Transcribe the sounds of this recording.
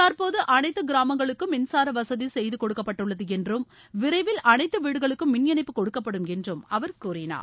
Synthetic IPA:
t̪ɐɾpoːðɯʔɐnɐɪt̪ːɯɡɪɾaːmɐŋɡɐɭɯkːɯmɪnsaːɾɐʋɐsɐðisɛjðɯkɔɽɯkːɐpːɐʈːɯɭːɐðɯɛndrɯmʋɪɾɐɪʋɪlʔɐnɐɪt̪ːɯʋiːɽɯɣɐɭɯkːɯmːɪnjɐnɐɪpːɯkɔɽɯkːɐpːɐɽɯmɛndrɯmɐʋɐɾkuːrɪna̰ːɾ

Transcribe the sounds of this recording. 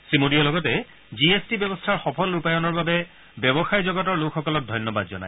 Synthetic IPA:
sɹimodijɔlɔɡɔtɛ | ziestibɛbɔstʰaɹxɔpʰɔlupajɔnɔɹbabɛ | bjɛbɔxajzɔɡɔtɔɹlokʰxɔkɔlɔt̚dʱɔjnɔbad̚zɔ̰na̰j

